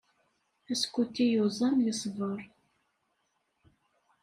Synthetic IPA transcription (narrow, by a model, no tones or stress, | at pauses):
æskʷut̪ːijozˤɑmlisˤvəɾˤ